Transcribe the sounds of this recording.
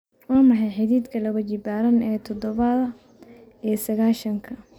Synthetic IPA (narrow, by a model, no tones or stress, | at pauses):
waːmɑħɑjħɪðiːd̪kʰɐlɐɣɐt͡ʃɪbaːɾɐnɛːt̪ʰɔd̪ɔβɐðɐ | isɐɣaːʃɐŋkʰɐ